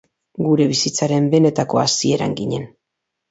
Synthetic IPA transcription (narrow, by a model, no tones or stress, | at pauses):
ɡuɾe̞βisit͡saɾe̞mbe̞ne̞t̪ako̞asie̞ɾa̰ŋɡiɲe̞n